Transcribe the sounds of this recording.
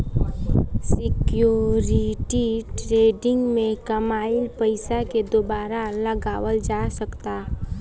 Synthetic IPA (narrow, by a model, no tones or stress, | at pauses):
sɪkjoːɾɪʈiʈɾeːɖɪ̃ŋɡmẽkəmaːɪlpəɪsaked̪obaːɾalɐɡaːwəld͡ʒaːsəkt̪aː